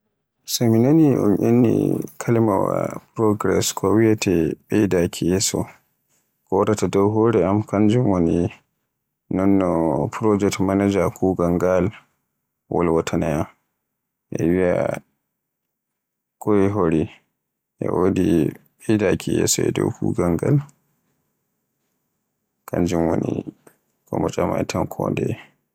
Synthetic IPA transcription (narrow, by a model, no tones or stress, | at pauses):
saminoniʔɔ̰nʔenːḭkʰalima̰wa̰pɾɔɡɾɛ̰skʰɔwiatʰɛɓɛjdakʰijɛsɔ̰ | kɔwadatadɔwɦoːɾɛamkand͡ʒumoni | nɔnːɔpɾɔd͡ʒɛktmanad͡ʒakuːɡaŋɡal | wʔɔ̰lwatʰanaja | ʔɛwia̰ | kɔjiɦoɾi | ʔɛ̰wodiɓidakʰijɛ̰sɔɛ̰dɔ̰wkṵːɡaŋɡal | kaɲd͡ʒumwoni | kɔ̰mɔt͡ʃʼama̰jtʰankʰɔndɛ